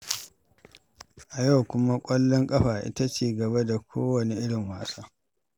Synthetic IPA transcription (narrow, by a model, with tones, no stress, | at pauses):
ʔa˨ja˦˨wkʷʊ˦ma˦kʷʼɐ˦lːɔ˦ŋkʼɐ˦ɸaː˨ʔɪ̰˦ta˦t͡ʃeː˦˨ɡɐ˨ba˦da˨kʷʰoː˦wɐ˨ni˨ʔɪ˦ɽɪ˨ŋwaː˦saː˦